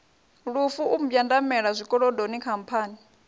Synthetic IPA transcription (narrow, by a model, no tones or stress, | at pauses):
ɺufuʔum̩bjandamɛɺazʷikʼɔɺɔdonikʰampʰaːni